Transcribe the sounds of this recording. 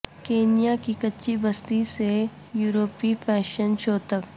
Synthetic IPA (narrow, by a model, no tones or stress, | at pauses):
keːnijakikɐtːʃibɐst̪ise | juːɾoːpifʰɛːʃənʃoːt̪ək